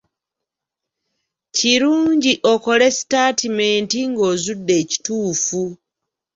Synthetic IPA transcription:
ciɾuːɲɟiʔo̞ko̞le̞si̥taːtimeːntiŋɡo̞ːzudːe̞ːci̥tuːfu

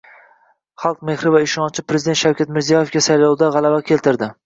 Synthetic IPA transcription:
χɑlˠq̚me̞hɾɪvaɪʃɒnt͡ʃʰɪpɾezd̪ent̪ʃawkʲat̪mɪɾzijɒjefkʲasajlɒwd̪aʁɑlˠavakʲʰe̞lt̪ʰɪɾd̪ɪ

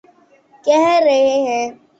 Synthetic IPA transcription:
kɛɦɾɐɦeɦɛ̃

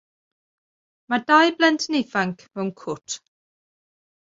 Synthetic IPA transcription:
madajblɛntʰnejfaŋkʰmɛwnkʰʊtʰ

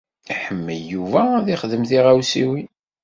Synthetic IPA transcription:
iħəmːəljuvæðiχðəmθiʁæwsiwi

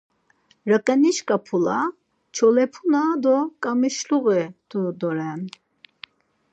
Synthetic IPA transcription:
ɾəkʼɛniʃkʼapʰula̰ | t͡ʃʰɔlɛpʰunad̪ɔkʼamiʃluɣɛt̪ʰɔd̪ɔɾɛn

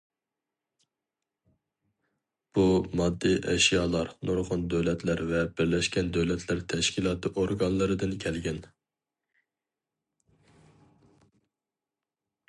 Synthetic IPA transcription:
b̥umɑd̪ːijʔɛʃjɑːlˠɑɾnoɾʁʊnd̪øwlɛt̪ʰlæɾvɛbɪɾlɛʃkʲɛnd̪øwlɛt̪ʰlæɾt̪ʰɛʃkʲʰilˠɑːt̪ʰɨʔoɾɡɑnlˠɨɾɨd̪ɨnkʲʰɛlɡʲɛn

